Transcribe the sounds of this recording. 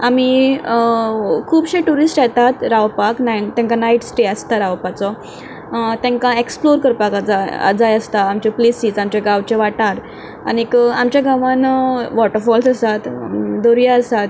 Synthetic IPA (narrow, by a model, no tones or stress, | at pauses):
am̤i | kʰuːbɕeʈuɾisʈjɛt̪at̪ɾaʋpaknajt̪ɛ̃ŋkanajʈsʈeəst̪aɾaʋpat͡sɔ | t̪ɛ̃ŋkaeksploɾkəɾpakad͡zaə̰d͡zajəst̪aːmt͡ɕeplisiːd͡zamt͡ɕeɡaʋt͡ɕeʋaʈaɾ | a̰nikamt͡ɕjaɡaʋãnʋɔʈəɾfɔlsəsat̪d̪oɾjaəsat̪